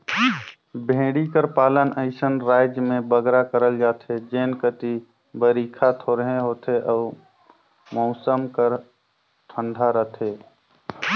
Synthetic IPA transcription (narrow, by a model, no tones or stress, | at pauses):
bʱẽːɽikəɾpaːlənəɪsənɾaːɪd͡ʒmẽbəɡɾakəɾəld͡ʒaːt̪ɦed͡ʒeːnkət̪i | bəɾiːkʰat̪ʰoːɾɦẽɦoːt̪eʔɔː | mɔʊsəmkəɾ | ʈ̪ʰə̃nɖ̪ʱaɾət̪ʰɦeː